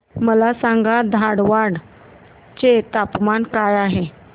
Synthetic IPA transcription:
məlasãŋɡad̪ʱaɽʋaɽ | t͡ɕet̪apmankajaɦe

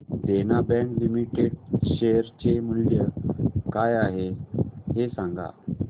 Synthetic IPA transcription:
d̪enabɛ̃klimiʈeɽɕejəɾt͡ɕemuljəkajaɦeɦesãŋɡa̰

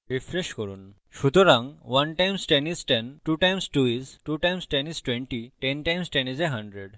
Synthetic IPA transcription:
ɾifɾeʃkəɾṵːn | ʃud̪ʱoɾãŋɡʋɐnʈajmzʈenizʈẽnʈuʈajmsʈuizʈuʈajmsʈenizʈʋẽɳʈiʈẽnʈajmsʈẽnizeɦɐ̃ɳɖɾeɖ

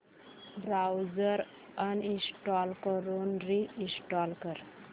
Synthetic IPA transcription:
bɾawd͡zəɾ | ənisʈɔlkəɾunɾiisʈɔlkəɾ

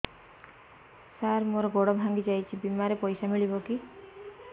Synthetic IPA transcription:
saɾmoɾɔɡɔɽɔbʱaŋɡid͡ʒajt͡ʃʰibimaɾepɔjsamiɭibɔki

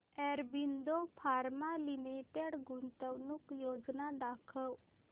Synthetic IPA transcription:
ɛɾbind̪opʰaːɾmalimiʈeɽɡunt̪əwnukjoːd͡ʒnad̪aːkʰəw

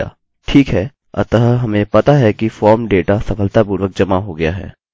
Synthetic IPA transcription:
a̰ː | ʈʰiːkɦɛ | ɐ̰t̪ɐɦəɦɐmẽpɐt̪aɦɛkifɔːɾmɖeːʈasɐfʰəlt̪abʊɾʋək̚d͡ʒɐmaɦoɡɐja̰ɦɛ̰ː

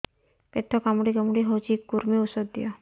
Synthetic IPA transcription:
pet̪ʰːɔkamuɽikamuɽiɦot͡ʃikuɾmiusɔd̪ḭjɔ

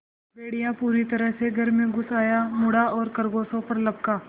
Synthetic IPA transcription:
beːɽijãpuːɾit̪ɐɾəɦseɡʱɐɾmẽɡʊsaːjamʊɽaɔːɾkɐɾɡoːsõpɐɾlɐb̚kaː

